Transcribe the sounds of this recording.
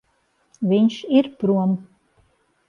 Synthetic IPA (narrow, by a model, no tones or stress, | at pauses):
vʲiɲʃiɾpɾuɔm